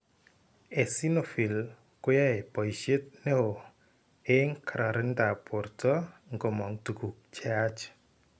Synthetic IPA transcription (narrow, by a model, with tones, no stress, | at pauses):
e˨si˦no˨fi˨l | kʊ˦ja˦e˨pɔ˨jʃe˦t̚ne˦o˨ | e˦ŋkʰaɾa˨ɾɪ˦nda˨pɔ˨ɾtʰɔ˦ŋɡo˨mɔ˨ŋtu˨ku˨k̚t͡ʃa˦t͡ʃ